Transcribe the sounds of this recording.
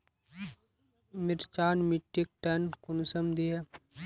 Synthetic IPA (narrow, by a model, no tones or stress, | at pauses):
mɪɾt͡ʃaːnmiʈːik̚ʈɛːnkʊnsəmd̪iɦɛ